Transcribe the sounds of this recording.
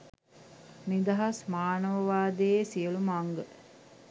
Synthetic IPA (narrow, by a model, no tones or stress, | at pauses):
nid̪ɐɦɐsmaːnəʋəʋaːd̪esiəlumaŋɡə